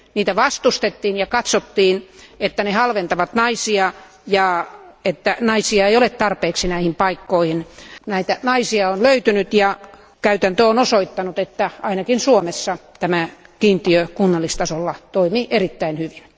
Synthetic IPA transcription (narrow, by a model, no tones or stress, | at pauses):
niːt̪æʋɑst̪ust̪et̪ːiːnjɑkɑt̪sot̪ːiːnet̪ːænehɑlʋent̪ɑʋɑt̪nɑisiɑ | jɑet̪ːænɑisiɑeijolett̪ɑrpeːksinæihimpɑikːoihinnæit̪ænɑisiɑonløyt̪ynyt̪jɑ | kæyt̪ænt̪øonosoit̪ːɑnut̪et̪ːæɑinɑkinsuomesːɑt̪æmækiːnt̪iøkunːɑlːist̪ɑsolːɑt̪oimiʔerit̪ːæinhyʋin